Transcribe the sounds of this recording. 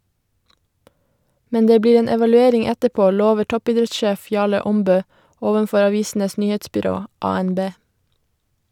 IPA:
ˈmɛn ˈdeː ˈbliːɾ ˈeːn ɛʋɑlʉˈeːɾɪŋ ˈɛtəˌpoː ˈloːʋəɾ ˈtɔpiːˌdɾɛtˌʃeːf ˈjɑːɭə ˈɔmbøː ˈoːʋənˌfɔɾ ɑˈʋiːsn̩əs ˈnyːheːtsbʏˌɾoː ˌɑːɛnˈbeː

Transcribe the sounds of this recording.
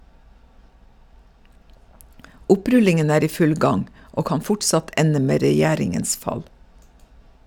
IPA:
ˈʊˌpɾʉlɪŋən ˈæːɾ ˈiː ˈfʉl ˈɡɑŋ ˈoː ˈkɑn ˈfʊʈsɑt ˈʔɛnə ˈmeː ɾɛˈjæːɾɪŋəns ˈfɑl

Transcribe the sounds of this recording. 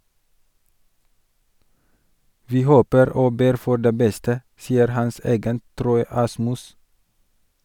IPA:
ˈʋiː ˈhoːpəɾ ˈoː ˈbeːɾ ˈfɔ ˈɖeː ˈbɛstə ˈsiːəɾ ˈhɑns ɑˈɡɛnt ˈtɾɔʏ ˈɑsmʉs

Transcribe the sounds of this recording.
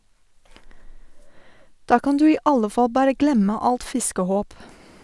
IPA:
ˈdɑː ˈkɑn ˈdʉː ˈiː ˈɑlə ˈfɑl ˈbɑːɾə ˈɡlɛmə ˈɑlt ˈfɪskəˌhoːp

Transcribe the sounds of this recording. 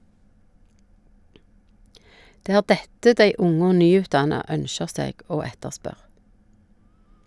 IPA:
ˈdeː ˈæːʁ ˈdɛtə ˈdæɪ ˈʊŋ ˈoː ˈnyːʉːtˌdɑnɑ ˈœnʃəʁ ˈseːɡ ˈoː ˈɛtəʁˌspœʁ

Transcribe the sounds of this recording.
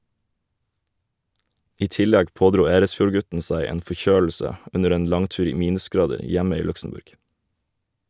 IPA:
ˈiː ˈtɪˌlɛɡ ˈpoːˌdɾuː ˈeːɾəsˌfjuːɾˌɡʉtn̩ ˈsæɪ ˈeːn fɔˈçøːl̩sə ˈʉnəɾ ˈeːn ˈlɑŋˌtʉːɾ ˈiː ˈmiːnʉsˌɡɾɑːdəɾ ˈjɛmə ˈiː ˈlʉksm̩ˌbʉɾɡ

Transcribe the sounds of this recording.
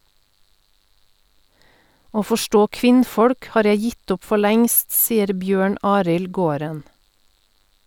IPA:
ˈoː fɔˈʃʈoː ˈkʋɪnˌfɔɽk ˈhɑːɾ ˈjæɪ ˈjɪt ˈʊp ˈfɔ ˈɭɛŋst ˈsiːəɾ ˈbjøːɳ ˈɑːɾɪl ˈɡoːɾən

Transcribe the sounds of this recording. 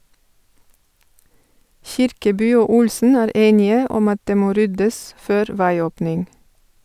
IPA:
ˈçɪɾkəˌbyː ˈoː ˈʊlsn̩ ˈæːɾ ˈeːnɪə ˈɔm ˈɑt ˈdeː ˈmoː ˈɾʏdəs ˈføːɾ ˈʋæɪˌoːpnɪŋ

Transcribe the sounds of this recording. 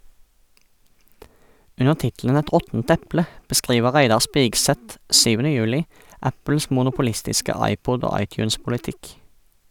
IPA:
ˈʉnəʁ ˈtɪtl̩ən ˈɛt ˈʁɔtn̩t ˈɛplə bəˈskʁiːʋə ˈʁæɪdɑʁ ˈspɪɡˌsɛt ˈsyːʋənə ˈjʉːlɪ ˈæpl̩s mʊnʊpʊˈlɪstɪskə ˈɑɪˌpɔd ˈoː ˈɑɪˌtjʉːnspʊlɪˌtɪk

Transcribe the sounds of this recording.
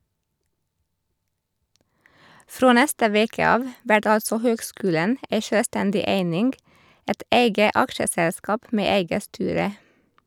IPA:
ˈfɾoː ˈnɛstə ˈʋeːkə ˈɑːʋ ˈʋæʈ ˈɑlsɔ ˈhøːɡˌskʉːlən ˈeɪ ˈʃøːˌstɛndɪ ˈeɪnɪŋɡ ˈɛt ˈeɪɡə ˈɑkʃəˌsɛlˌskɑːp ˈmeː ˈeɪɡə ˈstyːɾə

